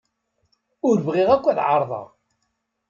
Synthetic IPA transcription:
ʊɾvʁɪʁækʷːæðʕɑ̰ɾˤðˤɑ̰ʁ

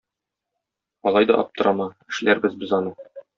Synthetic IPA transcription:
ɒlˠɑjd̪ɒ̰ʔɒp̚t̪ɤ̆ɾɑmɑɘ̆ʃlæɾbɘzbɘzɒnɤ

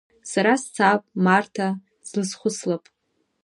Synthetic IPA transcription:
saɾast͡sʰapʼmartʰa | zlɨsχʷʊslapʼ

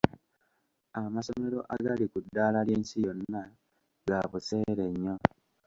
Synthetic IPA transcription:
amaso̞me̞ɾo̞ʔaɡalikudːaːlalje̞ːnsijo̞nːa | ɡaβuse̞ɾeɲːo̞

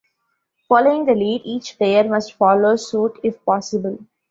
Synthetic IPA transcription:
fɔːloːɪ̃ŋd̪əliːɖiːt͡ʃpeːəɾmʌsʈfɔːloːsuːʈʰɪfpɔːsɪbəl

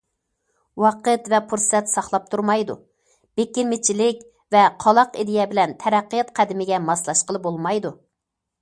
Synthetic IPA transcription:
wɑqət̪vɛpʰuɾsɛt̪sɑχlˠɑp̚t̪ʰuɾmɑjd̪u | b̥ekʲːiɾmɪt͡ʃʰilɪkʲ | vɛqʰɑlˠɑqid̪ɪjɛbɪlɛnt̪ʰɛɾæqːijɑt̪qʰæd̪ɪmɪɡʲɛmɑslˠɑʃqəlˠɨbolˠmɑjd̪u

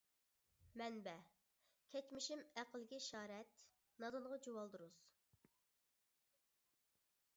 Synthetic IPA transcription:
mɛnbɛ | kʲʰɛt͡ʃmɪʃimæqəlˠɡʲiʃɑːɾɛt̪̚ | nɑd̪ɨnʁɑd͡ʒowɑlˠd̪uɾuz̥

